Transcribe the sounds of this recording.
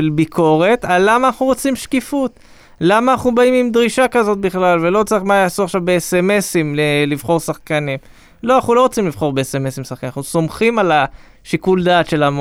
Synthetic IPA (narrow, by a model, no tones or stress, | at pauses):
elbikʰo̞ʁe̞t̪alːamaːnaχnuʁot͡simʃkifut̪ | lamaːnaχnubaimimd̪ʁiʃakazo̞t̪̚biχlalve̞lo̞t͡saiχmajaːsuaχʃavbeesemesimlelivχo̞ʁsaχkanim | loanaχnulo̞ʁot͡simlivχo̞ʁbeesemesimsaχkaninaχnuso̞mχimala | ʃikuld̪aːt̪ʃe̞lam